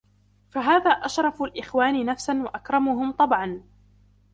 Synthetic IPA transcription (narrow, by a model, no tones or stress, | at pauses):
faɦaːðaːʔaʃɾˤɑfʊlʔɪxwaːnɪnafsanwaʔakɾˤɑmʊɦʊmt̪ˤɑbʕɑn